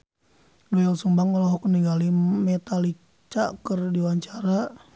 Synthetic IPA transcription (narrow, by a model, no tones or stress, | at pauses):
duɛɔlsumbaŋɔlɔɦɔkniɡalimɛt̪ali | t͡ʃakərdiwaɲt͡ʃaɾa